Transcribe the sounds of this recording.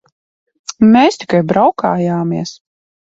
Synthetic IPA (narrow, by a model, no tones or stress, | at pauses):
mɛːst̪i̥kajbɾawka̰ːjaːmiɛs